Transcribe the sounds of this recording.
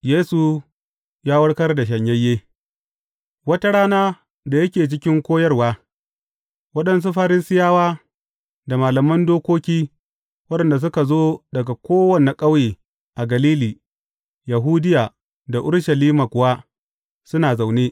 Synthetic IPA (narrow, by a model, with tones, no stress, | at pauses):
jeː˦su˨ | jaː˦wɐ˦ɽkɐ˦rda˨ʃ̬ɐ˨ɲjɐ˦jːeː˦ | wɐ˦ta˦ɽaː˦naː˦ | da˨jɐ˦kʲeː˨t͡ʃɪ˦kʲɪ˦ŋkʷoː˦jɐ˦rwaː˦ | wɐ˦ɗɐ˨ns̬u˦ɸa˦ɾɪ˦sɪ˦jaː˦waː˦ | da˨maː˨lɐ˨mɐ˦ndoː˦kʷoː˦kʲiː˦ | wɐ˦ɗɛ˨nda˨s̬ʊ˦ka˨zoː˦dɐ˨ɡa˨kʷoː˦wɐ˨na˨kʼa˦wjeː˨ | ʔa˨ɡɐ˨liː˦liː˨ | ja˨ɦuː˦dɪ˦jaː˨ | da˨ʔʊ˦ɽʃɐ˨liː˦maː˨kʷʊ˨wa˦ | sʊ˦naː˨za˨wneː˦